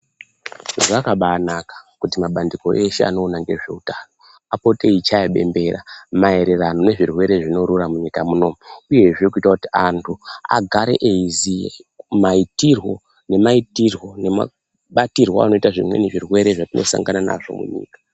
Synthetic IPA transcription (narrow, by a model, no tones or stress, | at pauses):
akaɓaːnakḁkutimaɓandiko̞ʔe̞ʃḛa̰no̞ːnaŋɡe̞ʐe̞̰utaːno̞ | apo̞te̞it͡ʃajeɓe̞̰mbe̞ra̰mae̞ɾe̞rano̞ne̞ʐirwe̞ɾe̞ʐino̞ɾuramuɲikamuno̞muuje̞ʐiokuitakutiantʰua̰ɡʱaɾe̞̰ʔeizimaitirwo̞ | ne̞maitirwo̞nema̰ | ɓatirwaa̰no̞itaʐḭmwe̞̰neʐirwe̞ɾe̞ʐatino̞̰sa̰ŋɡanana̰ʐo̞̰mṵɲḭːkḁ